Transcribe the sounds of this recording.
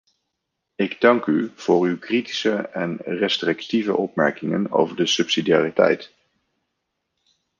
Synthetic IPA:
ɪɡdɑŋkyv̥ʊːɹywkriti̥səɛnrɛstrɪktivə̰ʔɔpmɛɹkɪŋə̰no̰wvəɹdəsɵpsidijaːritɛ̰jt

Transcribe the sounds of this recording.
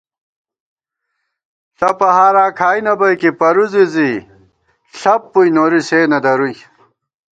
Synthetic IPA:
ɬɐpɐɦaːɾaːkʰaːjnɐbɐjkipɐɾuzizi | ɬɐpːujnoːɾiseːnɐd̪ɐɾuj

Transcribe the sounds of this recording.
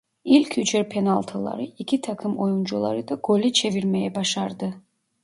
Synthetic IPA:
ilʲcʰyt͡ʃʰɛɾpʰɛnalˠt̪ʰolˠa̰ɾɯicʰit̪ʰakʰɯmojund͡ʒulˠa̰ɾɯd̪aɡ̥olʲit͡ʃʰeviɾmɛjɛbaʃaɾd̪ɯ

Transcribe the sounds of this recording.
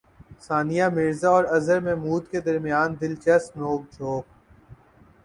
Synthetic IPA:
saːnijamɪɾzaɔːɾɐzəɾmẽmuːd̪ked̪ɐɾmijaːnd̪ɪlt͡ʃɛsnoːk̚d͡ʒʰʱoːk

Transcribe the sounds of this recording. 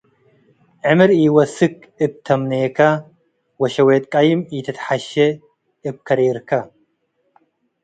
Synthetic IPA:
ʕɨmɨɾiwɐsɨk̚ | ɨb̚t̪ʰɐmneːkʰa | wɐʃɐweːt̪ʼkʼajɪmjit̪ʰɐt̪ħaʃe | ɨb̚kʰɐɾeːɾkʰɐ

